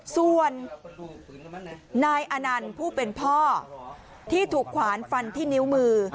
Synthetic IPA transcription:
su˨˧˩ən | aː˧jʔa˧na˧npʰuː˥˩pe˧npʰɔː˥˩ | t̪ʰiː˥˩t̪ʰuː˨˩kʰwaː˩˦nfa˧nt̪ʰiː˥˩ni˦˥wmɯː˧

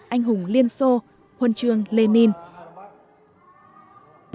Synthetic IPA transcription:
ʔa˧jŋ̟ɦʊ˨˩˦ŋ͡mli˧ənso˧ | hwə˧nt͡ɕɨ˧əŋle˧ni˧n

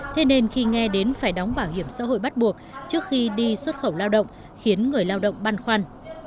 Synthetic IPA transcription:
t̪ʰe˨˦ne˧nxi˧ŋɛ˧ɗe˨˦nfaː˧˩jɗɔ˨˦ŋ͡mɓaː˧˩whi˧˩əmsa̰ː˧˥ɦo̰˧˨jɓa˦˥t̚ɓu˨˩ək̚t͡ɕɨ˦˥ək̚xi˧ɗi˧swə˦˥t̚xə˧˩wlaː˧wɗə̰˧˨wŋ͡m | xi˨˦ənŋɨ˨˩əjlaː˧wɗə̰˧˨wŋ͡mɓa˧nxwaː˧n

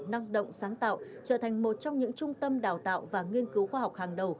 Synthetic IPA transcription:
na˧ŋɗə̰˧˨wŋ͡msaː˨˦ŋt̪a̰ː˧˨w | t͡ɕəː˧˩t̪ʰa˨˩ŋmo˨˩t̚t͡ɕɔ˧wŋ͡mɲɨ̰˧˥ŋt͡ɕʊ˧ŋ͡mt̪ə˧mɗaː˨˩wt̪a̰ː˧˨wvaː˨˩ŋi˧ənkɨ˨˦wxwaː˧ɦɔ˨˩wk͡p̚haː˨˩ŋɗə˨˩w

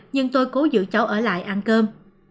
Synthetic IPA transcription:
ɲɨ˧ŋt̪o˧jko˨˦zɨ̰˧˨t͡ɕa˨˦wʔəː˧˩la̰ː˧˨jʔaː˧nkəː˧m

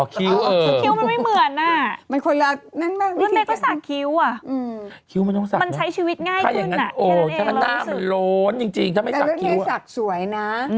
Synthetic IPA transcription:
ɔ˨˩kʰi˦˥wʔɤː˧kʰi˦˥wma˧nma˥˩jmɯ˨˩ənʔa˧˩ma˧nkʰo˧jla˦˥t̪̚na˦˥˩nmaː˥˩klu˦˥˩da˧˥k̪ɔː˥˩sa˨˩k̚kʰi˦˥wa˨˩ʔɯː˧kʰi˦˥wma˧nt̪ɔ˥˩˨sa˨˧ma˧nt͡ɕʰa˦˥jt͡ɕʰiː˧wi˦t̪̚ŋaː˥˩jʰaː˥˩ja˨˥ŋːa˦an˨˧˩ʔɤː˧˩t̪ʰaː˥˩kʰa˥˩naː˥˩˥a˧˩˧nlo˦˥nt͡ɕi˧ŋt͡ɕi˧ŋt̪ʰaː˦˥˩ma˥˩˨la˧˥ki˦˥wsa˨˩k̚su˨˩˦əjna˦˥˧

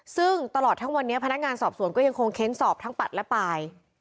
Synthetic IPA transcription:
sɯ˥˩ŋt̪a˧lɔː˨˩t̪ʰːa˦˥ŋwa˧nːi˦˥ɐpʰa˧na˦˥k̚ŋaː˧nsɔː˨˩p̚su˨˩˦ənkɔː˥˩ja˧ŋkʰo˧ŋkʰe˦˥nsɔː˨˩p̚t̪ʰa˦˥ŋpa˨˩t̪̚lɛ˦˥paː˧j

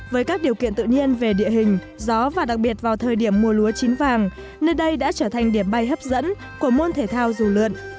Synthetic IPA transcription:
vəː˨˦jkaː˦˥k̚ɗi˨˩əwkḭ˧˨ənt̪ɨ̰˧˨ɲi˧ənve˨˩ɗḭ˧˨əɦï˨˩ŋ̟ | zɔ˨˦vaː˨˩ɗa˨˩k̚ɓi˨˩ət̚vaː˨˩wt̪ʰəː˨˩jɗi˧˩əmːu˨˩əlu˨˦ət͡ɕi˨˦nvaː˨˩ŋ | nəː˧jɗə˧jɗa̰ː˧˥t͡ɕəː˧˩t̪ʰa˨˩jŋ̟ɗi˧˩əmɓa˧˩jɦə˦˥p̚zə̰˧˥n | ku˧˩əmo˧nt̪ʰe˧˩t̪ʰaː˧wzu˨˩lɨ̰˧˨ənʔ

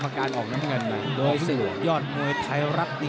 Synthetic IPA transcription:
maː˧kaː˧nʔɔː˨˩k̚na˦˥mŋɤ˧nma˨˩jdoː˧jsɯː˨˩jɔː˥˩t̪̚nu˧əjp̪ʰa˧jɾa˦˥p̚ni˧˦

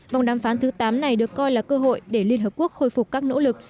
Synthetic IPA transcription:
va˨˩wŋ͡mɗaː˨˩mfaː˨˦nt̪ʰɨ˨˦t̪aː˨˦mna˨˩jɗɨ˨˩əkːɔ˧jlaː˨˩kːəː˧ɦo̰˧˨jɗe˧˩li˧ənɦəː˨˩p̚ku˦˥ək̚xo˧jfʊ˨˩k͡p̚kːaː˦˥k̚no̰˧˥lɨ˨˩k̚

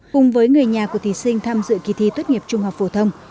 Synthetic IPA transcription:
kʊ˨˩ŋ͡mvəː˨˦jŋɨ˨˩əjɲaː˨˩ku˧˩ət̪ʰi˨˩sï˧ŋ̟t̪ʰaː˧mzɨ̰˧˨ki˨˧˩t̪ʰi˧t̪wt̚ŋi˨˩əp̚t͡ɕʊ˧ŋ͡mɦa˨˩wk͡p̚fo˧˩t̪ʰə˧wŋ͡m

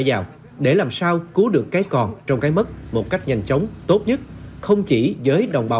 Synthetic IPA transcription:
jzaː˨˩w | ɗe˧˩laː˨˩msaː˧wku˨˦ɗɨ˨˩əkːaː˨˦jkɔ˨˩nt͡ɕɔ˧wŋ͡mkaː˨˦jmə˦˥t̚mo˨˩t̚ka˦˥k̚ɲa˨˩jŋ̟t͡ɕə˨˦wŋ͡mt̪o˦˥t̚ɲə˦˥t̚xə˧wŋ͡mt͡ɕi˧˩zəː˨˦jɗə˨˩wŋ͡mɓa˨˦

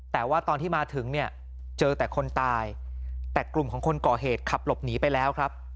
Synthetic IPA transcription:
t̪ɛː˨˩waː˥˩t̪ɔː˧nt̪ʰiː˥˩maː˧t̪ʰɯ˩˦ŋni˥˩ɐ | t͡ɕɤː˧t̪ɛː˨˩kʰo˧nt̪aː˧jt̪ɛː˨˩klu˨˩mkʰɔː˩˦ŋkʰo˧nkɔː˨˩ɦeː˨˩t̪̚kʰa˨˩p̚lo˨˩p̚niː˩˦pa˧jlɛː˦˥wkʰɾa˦˥p̚

